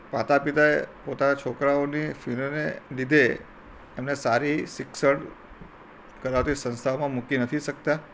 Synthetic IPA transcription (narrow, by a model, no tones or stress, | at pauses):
pat̪apit̪aepot̪anat͡ʃʰokɾaonifilonḛlid̪ʱe | emnesaɾisɪksəɽ | kəɾat̪isə̃nst̪ʰamãmukinət̪ʰiʃək̚t̪a